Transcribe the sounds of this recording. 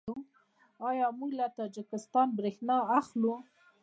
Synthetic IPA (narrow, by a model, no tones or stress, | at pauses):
ɑjɑmuɡlat̪ɑd͡ʒɪkɪst̪ɑnbɾexnɑaxlu